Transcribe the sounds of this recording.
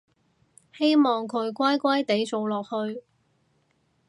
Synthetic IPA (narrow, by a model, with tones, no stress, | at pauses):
he˥jmɔː˨˩ŋkʰɵ˨˧ɥkʷɐ˥jkʷɐ˥jt̪e˨˥jt͡so˨˧wlɔː˨k̚hɵ˧ɥ